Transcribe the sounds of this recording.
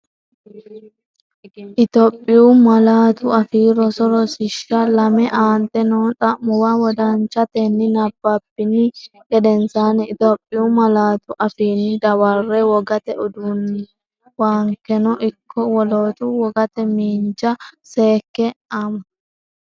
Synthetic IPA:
ʔɪt̪ɔpʼːɪjumɐlaːt̪ʊɐfiːɾɔsɔɾɔsɪʃːɐlɐmɛʔaːnt̪ɛnot̪ʼɐmːʊwawɔd̪ɐnt͡ʃɐt̪ɛnːɪnɐbːɐbːɪnɪ | ɡɛd̪ɛnsaːnɛɪt̪ɔpʼːɪumɐlaːt̪ʊʔɐfiːnːɪd̪ɐwɐrːɛwɔɡɐt̪ɛʊd̪un | waːŋkːɛnɔʔɪkːɔwɔloːt̪uwɔɡɐt̪ɛmiːnt͡ʃɐseːkːɛɐmɐ

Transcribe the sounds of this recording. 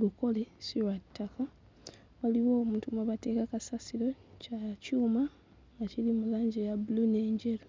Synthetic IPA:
luko̞lesiwatːaka | waliwoːmuːtumaβate̞ːkakasasiɾo̞cacuːma | ŋɡacilimulaːɲɟejabuluneːɲɟelo

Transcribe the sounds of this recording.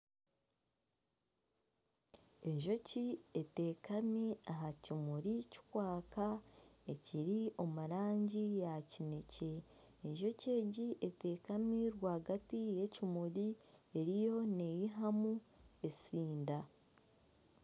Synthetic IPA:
e̞ɲʒo̞ciete̞ːkamiaɦacimuɾici̥kwaːkae̞ciɾio̞muɾaːɲɟijacine̞ce̞ː | ɲʒo̞ce̞ːɟiʔe̞te̞ːkamiɾwaːɡatije̞cimuɾieɾijo̞ne̞jiɦamuesiːnda

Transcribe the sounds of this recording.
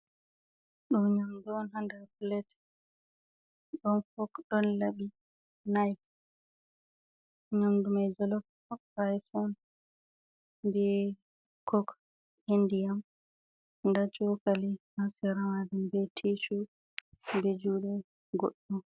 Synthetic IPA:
ɗumɲamduɔnhandaɾplɛt | ɗɔnfɔkɗɔnlabi | najk | ɲamdumad͡ʒɔlɔk | ɾajsɔn | bɛ | kʰɔk | indijam | ndat͡ʃɔkalimasɛɾamadumbɛtʰisu | bed͡ʒuːɗɛ | ɡo̰ɗːɔm

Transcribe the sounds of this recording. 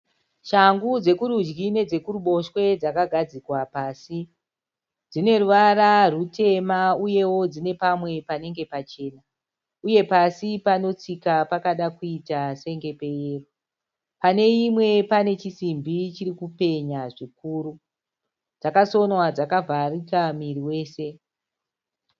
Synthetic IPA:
ʃaŋɡud͡ze̞kuɾud͡ʒɡine̞d͡ze̞kuruɓo̞ʃwe̞d͡zakaɡʱad͡zikwapaːsi | d͡zine̞ruʋaɾarute̞mauje̞wo̞d͡zine̞pamwe̞pane̞ŋɡe̞pat͡ʃe̞ːna | uje̞pasipano̞t͡sikapakaɗakuitase̞ŋɡe̞pe̞jeːro | pane̞imwe̞pane̞t͡ʃisimbit͡ʃiɾikupe̞ɲaʐikuːɾu | d͡zakaso̞nwad͡zakavarikamiriwe̞ːse̞

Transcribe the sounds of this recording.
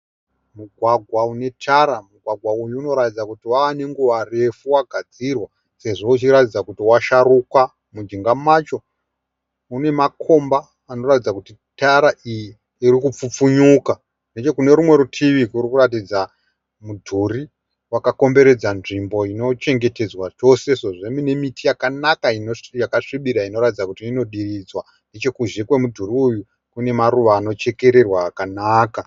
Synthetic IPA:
muɡʱwaɡʱwaune̞tʰaɾamuɡʱwaɡʱwaujuːno̞ɾatid͡zakutiwawane̞ŋɡuʋare̞fuwaɡʱad͡zirwa | se̞ʐo̞ut͡ʃiɾatid͡zakutiwaʃarukwa | mud͡ʒiŋɡamat͡ʃo̞ | une̞makʰo̞mbaː | no̞ratid͡zakuti | taɾaʔijiː | ɾikup͡fup͡fuɲuka | ne̞t͡ʃo̞kune̞ɾumwe̞ɾutʰiʋikurikurat̬id͡za | mudʱuri | wakako̞mbe̞ɾe̞d͡zanʐimbo̞ino̞t͡ʃe̞ŋɡe̞te̞d͡zwat͡ʃo̞se̞soʐemine̞mitijakanakainojakaʂiɓiɗaino̞ɾatid͡zakutiino̞ɗirid͡zwa | nde̞t͡ʃe̞kuʒekwe̞mudʱuriuju | kune̞maɾuʋaːno̞t͡ʃe̞ke̞ɾe̞rwaːkanaːka

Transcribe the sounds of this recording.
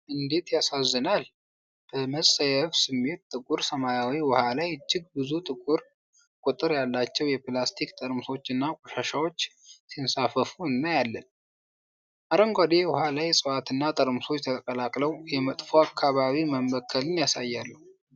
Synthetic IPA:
ʔɨnd̪e̞t̪jasazːənal | b̥əməsʼəjɛfsɨmːe̞t̪̚t̪ʼɨkʼuɾsəmajawiwɔhalajt͡ʃːɪɡ̚bɨzut̪ʼɨkʼuɾ | kʼut̪ʼɨɾjalːat͡ʃːɛwjɛplast̪ʰikt̪ʼəɾmso̞t͡ʃːɨnːakʼɔʃaʃawo̞t͡ʃː | sinsafəfuɨnːəjalːən | ʔaɾəŋɡʷad̪ewɔhalajɛsʼɨwat̪ɨnːat̪ʼəɾmso̞t͡ʃːt̪ʰət̪ʼəkʼəlakʼləwjɛmət̪ʼfoakʰːaβaβiməmbəkʰːəlɨnjasajːalːəhu

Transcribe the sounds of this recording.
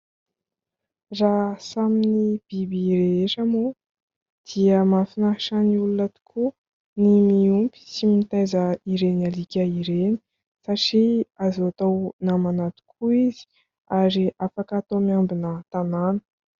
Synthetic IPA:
rasaminib̥ibiɾeeʈ͡ʂəmu | d̪̥iəmanfinaɦiʃaniulunət̪u̥kʰu | nimiumpi̥simit̪ajzəiɾenalikʲəiɾeni̥ | saʈ͡ʂiazoat̪awnamanat̪u̥kʰuizi̥ | aɾiafakat̪omiambinət̪ananə̥

